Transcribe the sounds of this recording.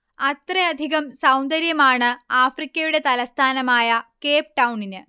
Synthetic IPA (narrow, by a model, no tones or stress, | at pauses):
ɐt̪reɐd̪ʱiɣɐmsɐwnd̪ɐɾjɐmaːɳɨaːfrikʲːɐjuɽe̞t̪ɐlɐst̪ʰaːnɐmaːjɐke̞ːp̚ʈɐwɳinɨ